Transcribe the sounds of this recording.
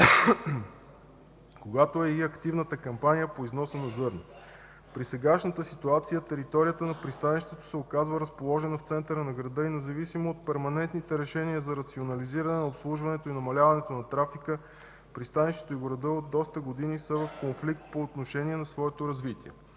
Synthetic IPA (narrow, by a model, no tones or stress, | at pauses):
koɡat̪oɛiɐkt̪ivnət̪əkɐmpanijəpoiznɔsənɐzɤɾni | pɾisɛɡaʃnət̪əsit̪uat̪sijət̪ɛɾit̪ɔɾijət̪ənɐpɾist̪aniʃt̪ɛt̪o̥sɛokazvəɾəspolˠɔʒɛnɐft̪sɛnt̪əɾənɐɡɾɐd̪ɤinɛzɐvisimoːt̪̚pɛɾmɐnɛnt̪nit̪ɛɾɛʃɛniəzɐɾɐt̪sionɐliziɾɐnɛnopslˠuʒvɐnɛt̪oinɐmɐlʲavɐnɛt̪onɐt̪ɾafikə | pɾist̪aniʃt̪ɛ̥t̪oiɡoɾɐd̪əod̪ːɔst̪əɡod̪inisəvɐfkonflikt̪̚poːt̪noʃɛniɛnɐsvɔɛt̪oɾɐzvit̪iɛ̰